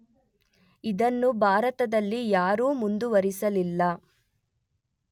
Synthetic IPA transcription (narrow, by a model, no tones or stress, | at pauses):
id̪ɐnːubʱaːɾɐt̪ɐd̪ɐlːijaːɾuːmund̪uʋɐɾisɐlilːɐ